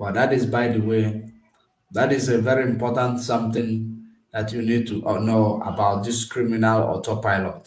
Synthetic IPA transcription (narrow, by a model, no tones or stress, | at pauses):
bɔdatisbaɪdəwe | datisevɛɹiĩmpɔtãntsʌ̃mt̪ɪ̃n | datjunid̚tuʔɔnoa̰baʊt̚diskɹiminalɔ̰tɔpaɪlɔt